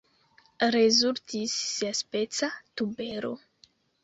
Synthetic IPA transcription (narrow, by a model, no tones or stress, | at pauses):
rezuɾt̪isːeaspet͡sat̪ubeɾo̰